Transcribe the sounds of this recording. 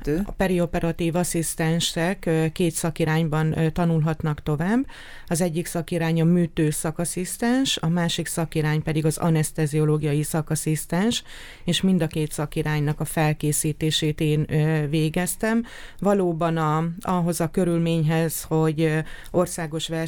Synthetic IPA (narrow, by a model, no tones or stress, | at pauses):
pɛɾio̞pɛɾɒt̪iːvɒsist̪ɛnʃɛkkːeːt̪sɒkiɾaːɲbɒnt̪ɒnulɦɒt̪nɒkt̪o̞vaːbː | ɒzɛɟːiksɒkiɾaːɲɒmyːt̪øːsɒkɒsist̪ɛnʃɒmaːʃiksɒkiɾaːɲpɛd̪iɡɒzɒ̰nɛst̪ɛzio̞loːɡijɒjisɒkɒsist̪ɛnʃ | eːʃmind̪ɒkeːt̪sɒkiɾaːɲnɒkɒfɛlkeːsiːt̪eːʃeːt̪eːnveːɡɛst̪ɛm | vɒloːbɒnɒɒɦo̞zɒkø̞ɾylmeːɲɦɛzho̞ɟo̞rsaːɡo̞ʃʋɛ